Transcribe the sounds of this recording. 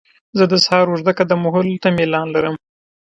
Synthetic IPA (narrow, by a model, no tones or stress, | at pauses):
zəd̪əshɑɾoʒd̪akad̪əmʊɦʊlt̪amelɑnlaɾəm